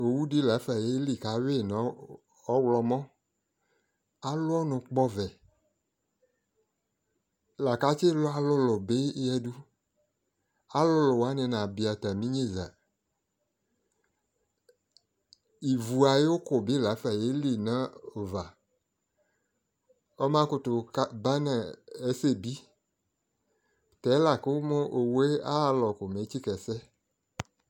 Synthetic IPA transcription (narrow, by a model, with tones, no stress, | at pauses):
o˨wu˦di˦la˨˦fa˨je˦li˦ka˨˦we˦˨na˨˦ | ɔ˦wlɔ˨mɔ̃˦ | a˦lo˦ɔ˦nɔ̃˨k͡pɔ˦vɛ˨ | la˨ka˦t͡ʃe˦lo˦a˦lo˦lo˨be˦jɛ˦du˦ | a˦lo˦lo˨wa˦nẽ˨nã˨bi˨a˨t̪a˨mĩ˦ɲẽ˦za̰˨ | i˨vu˨a˨je˦wo˦kʊ˨bi˦˨la˨˦fi˦a˨je˦li˨nã˦o˨va˨ | ɔ˦mã˦kʊ˦tʊ˨kba˦nɛ˨e˦se˦˨bi˦ | tɛ˨˦la˨ke˦wo˦mõ˦ʔo˨wo˦e˦a̰˦˨lɔ˨kʊ˨me˨˦t͡ɕi˦kɛ˨sɛ˦